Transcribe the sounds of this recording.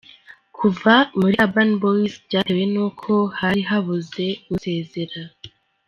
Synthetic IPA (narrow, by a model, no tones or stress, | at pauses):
kʰuvamuɾiabanboisbɟaːɾewe̞nuːkʰo̞haɾiɦaβuze̞ɡuse̞ːze̞ɾa